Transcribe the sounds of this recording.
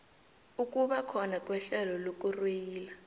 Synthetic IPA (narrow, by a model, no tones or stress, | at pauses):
uk̬ʼuɓakʰɔnak̬ʼwɛɬɛlɔlok̬ʼurwejiːla